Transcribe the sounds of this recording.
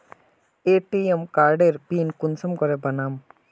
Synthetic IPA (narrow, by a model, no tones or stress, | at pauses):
eːʈiemkaːɾɖeɾpiːnkʊnsəmkɔɾebɐnaːm